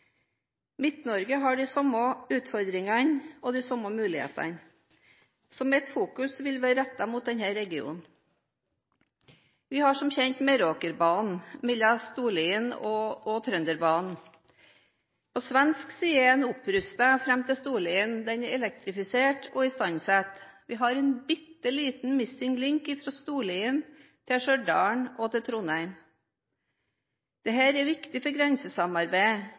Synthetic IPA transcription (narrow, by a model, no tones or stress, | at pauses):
mɪt̪nɔɾɡəɦɑɖɪsɔmoʉːt̪fɔɾd̪ɾɪŋɑnɔd̪iːsɔməmʉːlɪhḛːt̪ɑ̰n | sɔmɛt̪fuːkʉsʋɪlʋæːɾɾɛt̪ːɑmuːt̪̚d̪ɛnhæɾɛɡɪṵːnn | ʋɪhɑʂɔmçɛnt̪mɛɾoːkəɾbɑːnnmɛlɑst̪uːliːənɔɔt̪ʰɾœnd̪əɾbɑːnn̩ | pʰɔsʋɛnsksiːənʊpɾʉst̪əfɾɛmt̪ʰɪlst̪uːliːənd̪ɛnɛɾɛlɛk̚t̪ɾɪfɪseːʈʰɔɪst̪ɑnsæt̪ʋɪɦɑɾɛɪnbɪt̪ːəliːt̪n̩mɪsɪŋlɪŋkɪfɾɑst̪uːliːən | t̪ʰɪʂœɖɑ̰ːɳɔt̪ʰɪt̪ʰɾʊnæɪm | d̪̥ɛɦæːɾɛʋɪkt̪ɪfɔɾɡɾɛnsəsɑmɑɾbæɪ